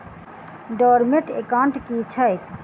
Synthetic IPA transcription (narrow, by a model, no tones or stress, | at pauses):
ɖɔɾmeʈekaɳʈkit͡ʃʰəjt̪ʰ